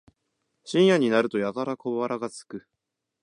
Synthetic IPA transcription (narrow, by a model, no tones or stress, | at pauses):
ɕĩɰ̃jaɲ̟inaɾɯ̟t̪o̞jakaɾakoβaɾʔaɡat͡sɨ̥kɯ̟